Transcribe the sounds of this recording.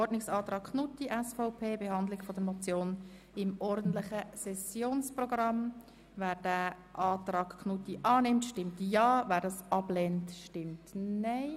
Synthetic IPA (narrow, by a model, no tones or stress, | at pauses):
ɔɾdnɪksɑːt̪ɾɑːkkʰnutiʔɛsfɔʊpʰeːbehɑndlɪɡfɔdəɾmɔt͡sjoːn | ɪmɔɾdn̩t̪lɪχəsɛsjoːnsprɔɡrɑm | væːɾd̥æ | ʔɑːtrɑːkkʰnutiʔɑːnɪmtʃtɪmtjɑːvæːɾdɑːsɑblɛntʃtɪmtnaɪ